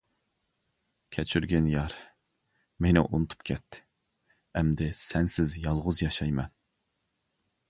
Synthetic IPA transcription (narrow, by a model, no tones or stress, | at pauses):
kʲʰɛt͡ʃʰyɾɡʲɛnjɑɾ | menɪʔunɨt̪ʰu̥p̚kʲʰɛt̪ʰːɪ̥ | ɛmd̪ɪsɛnsɪzjɑlˠʁʊzjɑʃɑjmɛn